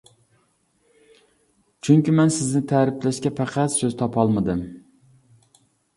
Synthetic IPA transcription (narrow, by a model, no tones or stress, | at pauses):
t͡ʃʰyŋkʲimɛnsɪznɪt̪ʰæɾɪplɛʃkʲɛpʰæqʰæt̪søzt̪ʰɑpʰɑlˠmɨd̪ɨm